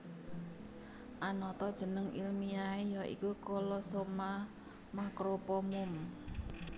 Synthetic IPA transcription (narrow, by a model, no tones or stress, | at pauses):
ʔanɔt̪ɔd̥ʒ̥ə̤nəŋilmiaejɔʔḭkukɔlɔsoma | makɾopɔmum